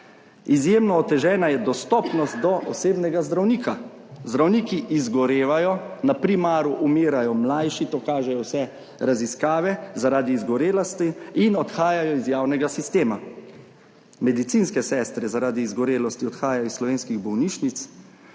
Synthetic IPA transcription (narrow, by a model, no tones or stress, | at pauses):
izjeːmnɔːt̪ɛʒɛːnajɛd̪ɔst̪ɔpnɔst̪̚d̪ɔʔɔseːbnɛɡazd̪ɾawniːkʰa | zd̪ɾawniːkiʔizɡɔɾeːʋajɔnapɾimaːɾuʔumeːɾajɔmlajʃit̪ɔkaːʒɛjɔwsɛ | ɾaziskaːʋɛzaɾaːd̪iːzɡɔɾeːlɔst̪iinɔt̪xaːjajɔizjaːwnɛɡasist̪eːma | mɛd̪it̪siːnskɛsɛːst̪ɾɛzaɾaːd̪iːzɡɔɾeːlɔst̪iɔt̪xaːjajɔisslɔʋeːnskiɣbɔwniːʃnit̪s